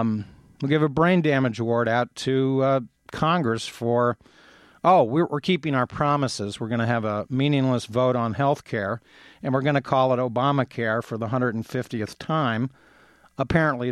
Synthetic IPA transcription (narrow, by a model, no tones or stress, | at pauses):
wilˠɡɪvəbɹẽɪ̃ndæmɨd͡ʒwɔɹɾaʊtʰɨ | kʰɑ̃ŋɡɹɨsfə˞ | ʔoʊwɪwʔɪ̰ɹkʰipɪ̃ŋaʊə˞pʰɹ̥ɑməsɪzwɨɹɡʌñɨːvəmĩnɪ̃ŋləsvoʊɾn̩ɦɛlˠθkʰɛɹ | ɨ̃nwɨɹɡʌñɨkʰɔlˠəɾoʊbɑməkʰɛɹfə˞ðəɦʌ̃ndɹɨɾn̩fɪftiɨθtʰãɪ̃m | əpʰɛɹə̃nʔli